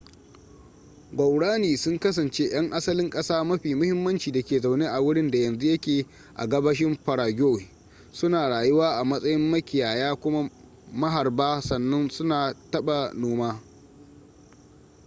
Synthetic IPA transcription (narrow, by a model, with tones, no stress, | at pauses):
ɡʷɐ˨wɽaː˦niː˨sʊ˦ŋkɐ˦s̬ɐ˨nt͡ʃeː˦j̰ɐ˦ŋʔa˦sɐ˦lɪ˦ŋkʼɐ˦saː˦mɐ˦ɸiː˨mʊ˦hɪ˦mːɐ˦nt͡ʃiː˨da˨kʲeː˨za˨wneː˦ʔa˨wʊ˦ɽɪ˦nda˨jɐ˨nzu˦jɐ˦kʲeː˨ | ʔa̰˨ɡɐ˦bɐ˦ʃ̬ɪ˦mɸɐ˨ɽaː˨ɡʲoː˦we˨ | sʊ˦naː˨ɽaː˨jʊ˦waː˦ʔa˨mɐ˦sʼɐ˦jɪ˦mːɐ˦kʲɪ˨jaː˨jaː˦kʷʊ˦ma˦ | mɐ˦ɦa˨rbaː˦sɐ˨nːɐ˦nsʊ˦naː˨tɐ˦ɓa˨noː˦maː˦